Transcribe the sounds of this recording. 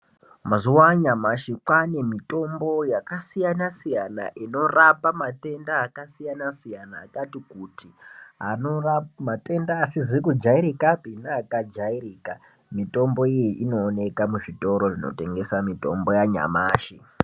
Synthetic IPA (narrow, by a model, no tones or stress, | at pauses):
mazuwaɲamaʃikwane̞mito̞mbo̞jakasijanasijana̰ʔino̞rapamate̞ndaːkasijanasijanaːkatikutiɦa̰normate̞ndaːsizikud͡ʒaiɾikapinaːkad͡ʒairiːka | mito̞mbo̞ijeʔino̞ːne̞kamuʐito̞ɾo̞ʐino̰te̞ŋɡe̞samito̞̰mbo̞jaɲa̰maːʃi